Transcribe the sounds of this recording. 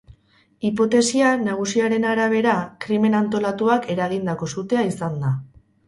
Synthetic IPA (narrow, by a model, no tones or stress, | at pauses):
ipo̞t̪e̞sianaɣ̞usiaɾe̞naɾaβ̞e̞ɾakɾime̞nant̪o̞lat̪uake̞ɾaɣ̞ind̪ako̞sut̪e̞aisand̪a